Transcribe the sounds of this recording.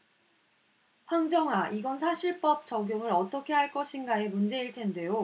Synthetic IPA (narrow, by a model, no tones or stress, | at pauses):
ɸwaŋd͡ʑʌŋɦaʔiɡʌnsʰaɕʰiɭp͈ʌp̚t͡ɕʌɡjoŋɯɾʌt͈ʌkʰe̞ɦaɭk͈ʌɕʰinɡae̞mund͡ʑe̞iɭtʰe̞nde̞jo